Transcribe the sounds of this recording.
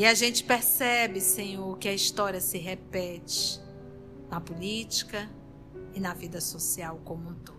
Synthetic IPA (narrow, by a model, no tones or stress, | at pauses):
ɪaʒẽt͡ʃɪ̥peɾsɛbɪsẽɲoɾkɪɐist̪ɔɾiɐsɪɦepɛt͡ʃɪ̥ | nɐpulit͡ʃi̥kɐ | ɪnɐvid̪ɐsosiawkõmũt̪u̥